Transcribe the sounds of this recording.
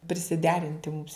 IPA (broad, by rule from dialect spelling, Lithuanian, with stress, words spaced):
pʲrʲɪsʲɪˈdʲæːrʲɪnʲtʲɪ mʊms